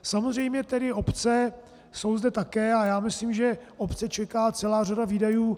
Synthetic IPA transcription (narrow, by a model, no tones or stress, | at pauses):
samozr̝ɛjmɲɛt̪ɛdɪo̞pt͡sɛ | so̞wzdɛt̪akɛːajaːmɪsliːmʒɛʔopt͡sɛt͡ʃɛkaːt͡sɛlaːr̝adaviːdajuː